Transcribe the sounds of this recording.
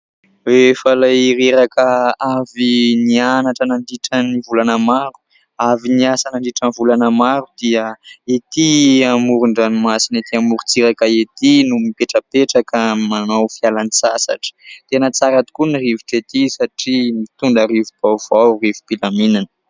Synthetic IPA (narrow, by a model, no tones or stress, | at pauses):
efalajɾeɾakəavinianaʈ͡ʂənaɳɖ͡ʐiʈ͡ʂənivulanəmaɾu̥ | aviniasanaɳɖ͡ʐiʈ͡ʂənivulanəmaɾud̪̥iəet̪iamuɾuɳɖ͡ʐanimasinet̪iamuɾut͡siɾakaet̪inumipeʈ͡ʂəpeʈ͡ʂakəmanowfialanisasa̰ʈ͡ʂə̥t̪enət͡saɾat̪i̥kuniriviʈ͡ʂet̪isaʈ͡ʂimit̪und̪aɾivub̥av̥awrivupilaminanə̥